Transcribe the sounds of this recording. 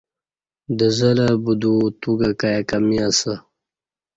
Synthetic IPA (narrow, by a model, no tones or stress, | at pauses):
d̪əzəlabud̪ut̪uɡakajakɐmiasə